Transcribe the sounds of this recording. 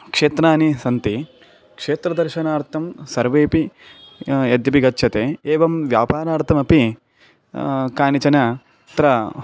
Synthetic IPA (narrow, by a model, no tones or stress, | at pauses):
kʂeːt̪ɾaːnisɐnt̪i | kʂeːt̪ɾɐd̪ɐɾʃɐnaːɾt̪ʰɐmsɐɾʋeːpi | jɐd̪jɐpiɡɐtːʃʰɐt̪eːeːʋɐmʋjaːpaːɾaːɾt̪ʰɐmɐpi | kaːnit͡ʃɐnɐ | t̪ɾɐ